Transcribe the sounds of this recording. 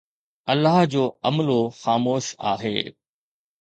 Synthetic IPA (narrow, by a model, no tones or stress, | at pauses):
ɐlːaɦd͡ʑoːɐməloxaːmoːʃa̰ːɦḛː